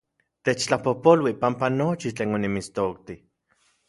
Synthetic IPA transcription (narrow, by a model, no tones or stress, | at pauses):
t̪et͡ʃt͡ɬapohpolwipampanot͡ʃit͡ɬeːnonimist̪ok̚t̪i